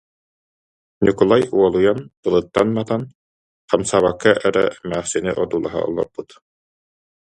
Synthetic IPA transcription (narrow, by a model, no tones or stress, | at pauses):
nʲikɔlˠajuɔlˠujantɯlˠɯt̪ːanmat̪an | χamsaːβakːaʔɛɾɛ̰mæːχsiniʔɔd̪uːlˠa̰ɦa̰ɔ̰lˠɔ̰ɾb̥ut̪